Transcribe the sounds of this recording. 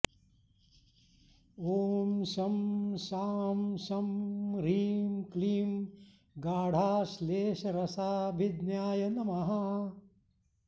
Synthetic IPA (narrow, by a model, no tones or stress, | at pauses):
oːmsɐmʃaːmsɐmɾiːmkliːm | ɡaːɽ̤ʱaːsleːʃɐɾɐsaːbʱid̪njaːjɐnɐmɐɦɐ